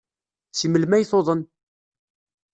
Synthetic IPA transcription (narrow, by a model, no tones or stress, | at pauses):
siməlmæjθoðˤən